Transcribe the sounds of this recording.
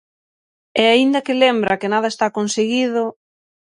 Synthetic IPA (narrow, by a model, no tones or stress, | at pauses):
ɛaind̪ɐkɪlembɾakɪnað̞ɐest̪akonseɣiðʊ